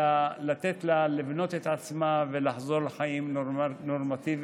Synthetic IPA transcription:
alat̪et̪lalivno̞t̪et̪ʕat͡smavelaħzo̞ʁleħaimnoʁmat̪iv

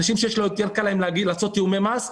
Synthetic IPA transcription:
naʃimʃejeʃloet̪jankalaemleaɡilaːt͡so̞t̪ːiumemas

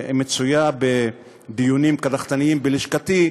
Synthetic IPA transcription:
met͡sujabe | d̪ijunimkad̪aχt̪aniimbeliʃkat̪i

